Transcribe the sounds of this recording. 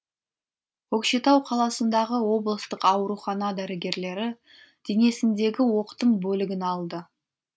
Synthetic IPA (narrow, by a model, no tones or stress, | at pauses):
wɵkʃet̪ɑwqʰɑlˠɑsənd̪ɑʁəwo̞blˠəst̪əqɑwɾuχɑnɑd̪æɾɪɡʲe̞ɾle̞ɾɪ | d̪̥ene̞sɪnd̪e̞ɡʲɪwo̞qt̪əmbɵlɪɡʲɪnɑlˠd̪ə